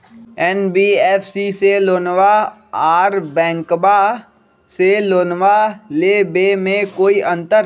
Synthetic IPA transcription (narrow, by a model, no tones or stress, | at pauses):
ɛːnbiːɛːfʰsiseloːnʋa | aːɾbɛ̃ːŋkba | seloːnʋalebemẽkoːiʔə̃nt̪əɾ